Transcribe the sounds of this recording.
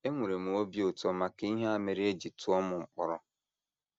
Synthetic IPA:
e˦ŋʷu˨ɾe˨mu˨o˦bi˦o˨tɔ˦ma˨ke˦i˦ɦe˦a˦me˨ɾi˦e˦d͡ʒi˨tʊ˦ɔ˦mʊ˨ŋ͡m̩˨k͡pɔ˨ɾɔ˦

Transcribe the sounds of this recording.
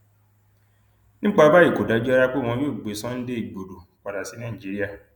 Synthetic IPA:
nĩ˦k͡pa˧˦ba˦i˦˨ko˨da˨˧d͡ʒu˦a˦˧ɾa˦˧k͡pe˦˨w̃ɔ̃˧jo˦˨ɡ͡be˨˦sã˦n̩˦de˦i˨ɡ͡bo˨do˨k͡pa˨da˨si˨˦nã˦˨d͡ʒi˨˦ɾi˦a˦˨

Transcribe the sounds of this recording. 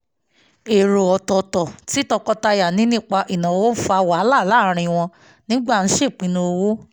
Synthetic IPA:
e˨ɾo˨ɔ˨tɔ˨tɔ˨ti˨˦tɔ˧kɔ˧˦ta˧ja˨nĩ˨˦nĩ˦k͡pa˧ʔi˨nã˨wo˦fa˧wa˨˦la˦˨la˦ɾ̃ĩ˧w̃ɔ̃˧ | nĩ˦ɡ͡ba˦˨n̩˦ʃe˦˨k͡pĩ˨˦nũ˧o˧wo˦

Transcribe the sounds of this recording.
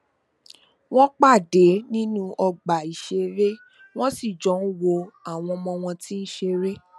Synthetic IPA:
w̃ɔ̃˦k͡pa˦˨de˨˦nĩ˦nũ˦ʔɔ˧ɡ͡ba˨i˨ʃe˧ɾe˦ | w̃ɔ̃˦si˦˨d͡ʒɔ˨˦n̩˦wo˧a˦˨w̃ɔ̃˧mɔ̃˧w̃ɔ̃˧ti˦n̩˦ʃe˧ɾe˦

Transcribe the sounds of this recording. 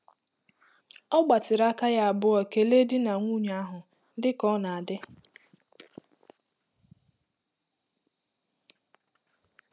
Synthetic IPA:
ɔ˦ɡ͡ba˨tɪ˨ɾa˦ka˦ja˦a˨bʊ˦ɔ˨ke˨le˦dɪ˦na˨ŋʷu˦˨ɲ˨˦a˦ɦʊ˨ | n̩˦dɪ˦kɔ˦na˨a˨dɪ˦

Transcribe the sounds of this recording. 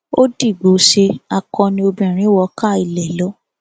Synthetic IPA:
o˦di˦˨ɡ͡bo˨˦ʃe˧a˧˨kɔ̃˧nĩ˧˦o˧bɛ̃˨ɾ̃ĩ˨˦wɔ˧ka˦˨i˨lɛ˨lɔ˨˦

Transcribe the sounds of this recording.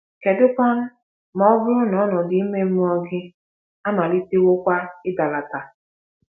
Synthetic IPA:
ke˨dʊ˦kɔ˦n̩˦ | mɔ˦ɔ˦bʊ˦ɾʊ˦nɔ˨˦nɔ˨dɪ˨˦i˦me˦m̩˦ɔ˦ɡɪ˦ | a˦ma˨li˦te˦wo˦kʷa˦ɪ˦da˨la˨ta˨

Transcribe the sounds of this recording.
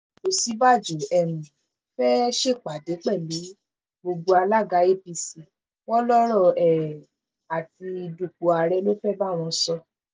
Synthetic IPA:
o˨si˨˦ba˦˨d͡ʒo˨ɛ˧mĩ˨ | fɛ˦ʃe˦˨k͡pa˨de˨˦k͡pɛ˦˨li˨˦ | ɡ͡bo˧ɡ͡bo˧a˧la˦˨ɡa˨˦e˦pi˧si˨ | wɔ˦lɔ˦ɾɔ˦˨ɛ˨ | a˨ti˧i˧du˨k͡po˨a˨ɾɛ˧˦lo˦fɛ˦ba˦˨w̃ɔ̃˧sɔ˧

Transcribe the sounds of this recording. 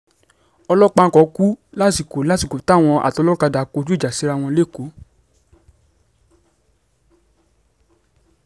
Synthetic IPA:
ɔ˧lɔ˦k͡pa˧˦kɔ˨˦ku˦la˦ti˨ko˨la˦ti˦˨ko˨ta˦˨w̃ɔ̃˧ʔa̰˨tɔ˧lɔ˦u˦ka˧da˨ko˧˦d͡ʒu˦˨d͡ʒa˨si˨˦ɾa˧w̃ɔ̃˧le˦˨ko˨˦

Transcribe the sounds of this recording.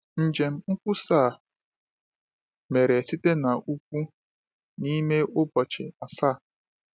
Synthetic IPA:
n̩˨d͡ʒe˨m̩˦ŋ̩˦kʷʊ˦saː˦˨ | me˨ɾe˨si˦te˦na˨ʔu˦kʷu˦ | ni˦me˦ʔʊ˦bɔ˨t͡ʃe˨a˨sa˦˨

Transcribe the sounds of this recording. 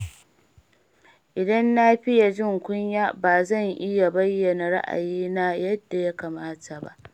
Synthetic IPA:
ʔɪ˨dɐ˦nːa˦ɸɪ˦ja˨d͡ʒɪ˦ŋkʷʊ˦ɲjaː˦baː˨zɐ˦˨ŋʔɪ˦ja˨bɐ˦jːɐ˨na˨ɾa̰˦ʔa̰˨jiː˦naː˦jɐ˦dːa˨ja˦kaː˨maː˦ta˨ba̰˦ʔ

